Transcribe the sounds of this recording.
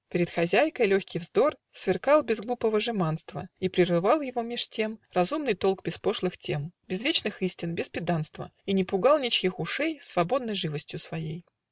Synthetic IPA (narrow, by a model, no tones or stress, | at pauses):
pʲɪɾʲɪt̪xɐzʲæjkəjlʲoxʲkʲɪjvzd̪o̞rsvʲɪrkɑlˠbʲɪzɡlˠupəvəʐɨmanst̪və̰ipɾʲɪrɨvɑlˠjɪvo̞mʲɪʂtʲe̞mrɐzumnɨjt̪o̞lˠkbʲɪspo̞ʂlˠɨxtʲe̞mbʲɪzvʲet͡ɕnɨxɨsʲtʲɪnbʲɪspʲɪd̪anst̪və̰inʲɪpʊɡɑlˠnʲit͡ɕkʲixʊʂɛjsvɐbo̞d̪nəjʐɨvəsʲtʲjʊsvɐjej